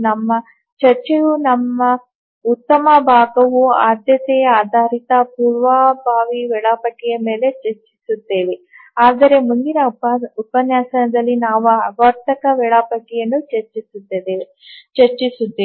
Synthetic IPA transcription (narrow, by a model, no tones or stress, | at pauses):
nɐmːɐ | t͡ʃɐɾt͡ʃejunɐmːɐ | ut̪ːɐmɐbʱaːɡɐʋuaːd̪jɐt̪ɛɐaːd̪ʱaːɾit̪ɐpuːɾʋaːbʱaːʋiʋɛɭɐpɐʈijɐme̞ːle̞t͡ʃɐɾt͡ʃisut̪ːe̞ːʋe | aːd̪ɐɾe̞mund̪inɐupɐnjaːsɐnɐd̪ɐlːinaːʋuɐʋɐɾt̪ɐkɐʋɛɭɐpɐʈijɐnːut͡ʃɐɾt͡ʃisut̪ːɐd̪e | t͡ʃɐɾt͡ʃisut̪ːeː